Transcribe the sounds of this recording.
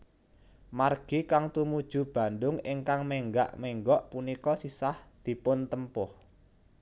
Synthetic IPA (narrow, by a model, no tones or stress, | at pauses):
marɡ̥i̤kaŋt̪umud̥ʒ̥ṳb̥a̤nd̪ʊŋɪŋkaŋmeŋɡa̰ʔmɛŋɡɔʔpunikɔsisahd̪̥i̤pʊnt̪əmpʊh